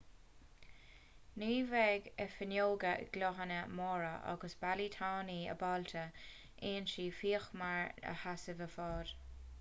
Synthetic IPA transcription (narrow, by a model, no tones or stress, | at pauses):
niːvɛɡəfənoːɡəɡ̥lɔɦənəmɔːɹəʔa̰ɡəsb̥alit̪ʰɑːniːə̰baltʰə | ʔeːnʃiːfiːəxmaɹə̰hasəvəfɔːd̥